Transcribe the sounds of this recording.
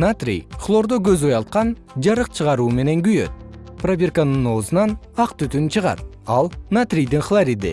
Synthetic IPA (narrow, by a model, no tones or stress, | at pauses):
nat̪rʲḭjχlˠo̞rd̪okʲøzojɑlt̪̚qɑn | d͡ʒɑɾəq̚t͡ʃʰəʁɑɾuːme̞ne̞ŋɡyjø̞̰t̪̚ | probʲerkanɨno̞ːzənɑn | ɑqt̪yt̪ynt͡ʃʰəʁɑ̰t̪ | ɑlˠnat̪rʲijd̪ɪŋχlˠaɾʲid̪ɪ̰